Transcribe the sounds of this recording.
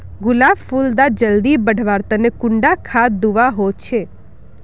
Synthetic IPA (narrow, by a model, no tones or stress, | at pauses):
ɡʊlaʋfuld̪ad͡ʒəld̪ibəɖ̤ʱʋaɾt̪ənekʊɳɖakʰad̪uʋaɦot͡ʃʰe